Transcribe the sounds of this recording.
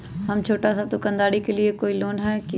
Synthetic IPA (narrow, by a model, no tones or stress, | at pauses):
ɦɐmt͡ʃʰoːʈasat̪okɐ̃nd̪aːɽikeliekoːiloːnɦɛːk